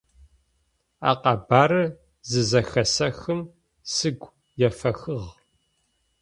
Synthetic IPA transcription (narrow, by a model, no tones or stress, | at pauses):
a̰ːqɑbaːɾɨ | zɨzɐxɐsɐxɨm | sɨɡʷ | jɛfɐxɨʁ